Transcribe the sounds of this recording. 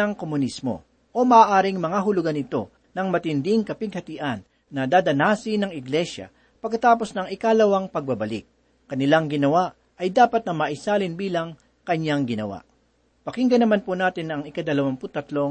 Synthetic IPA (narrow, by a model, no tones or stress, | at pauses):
ɐŋkomʊnismo̰ | ʔo̞mɐʔaːʔaːɾɪŋmɐŋaɦʊlʊɡanɪt̪o̞̰ | nɐŋmɐt̪ɪnd̪ɪŋkɐpɪɡ̚hɐt̪ɪʔɐnː | ɐd̪aːd̪ɐnaːsɪnɐŋɪɡlɛʃjɐ̰ | pɐɡ̚kːɐt̪aːpo̞snɐŋɪkalɐwaŋpɐɡ̚bɐbɐlɪ̰k̚ː | ɐnɪlaŋɡɪnɐwaʔ | ʔɐjd̪aːpɐt̪̚nɐmɐʔɪsaːlɪnbiːlɐŋ | kɐɲːaŋɡɪnɐwa̰ʔ | pɐkɪŋɡɐnɐmanpunaːt̪ɪnɐŋɪkad̪ɐlɐwaŋpʊt̪ɐt̪lo̞